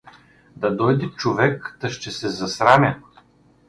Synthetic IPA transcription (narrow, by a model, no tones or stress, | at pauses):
d̪ɐd̪ɔjd̪ɛt͡ʃovɛkd̪ɐʃt̪ɛsɛzɐsɾamʲɐ